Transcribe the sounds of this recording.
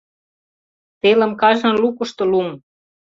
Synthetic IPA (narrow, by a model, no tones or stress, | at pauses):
t̪elə̆mkɑʒɤ̆nlukə̆ʃt̪ŏlum